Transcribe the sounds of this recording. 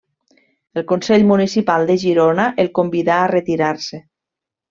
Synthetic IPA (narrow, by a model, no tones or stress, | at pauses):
elˠkonsɛʎmunisipalˠd̪eʒiɾonaʔelˠkombiðaːret̪iɾaɾse